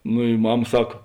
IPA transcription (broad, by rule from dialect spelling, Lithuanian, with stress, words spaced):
nʊ ɪ ˈmɐm ˈsɐk